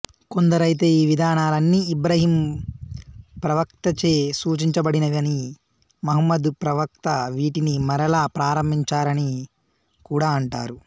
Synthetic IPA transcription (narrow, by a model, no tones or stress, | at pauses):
ko̞nd̪ɐɾɐjt̪̬e̞ːiːʋid̪ʱaːnaːlɐnːiːibɾɐɦiːm | pɾɐʋɐkt̪ɐt͡ʃeːsuːt͡ʃiɲt͡ʃɐbɐɽinɐʋɐni | mɐɦɐmːɐd̪upɾɐʋɐk̚t̪ɐʋiːʈinimɐɾɐlaːpɾaːɾɐmbʱiɲt͡ʃaːɾɐni | kuːɽaːɐɳʈa̰ːɾu